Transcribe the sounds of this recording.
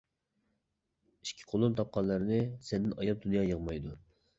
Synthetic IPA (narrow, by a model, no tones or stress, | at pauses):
i̥ʃkʲʰi̥qʰolˠumt̪ʰɑp̚qʰɑnlːˠəɾnɪsɛnd̪ɪnɑjɑp̚d̪unjɑːjəʁmɑjd̪u